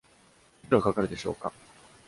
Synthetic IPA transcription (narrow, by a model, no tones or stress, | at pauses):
ɾaakakaɾɯ̟d̪e̞ɕo̞̰ːka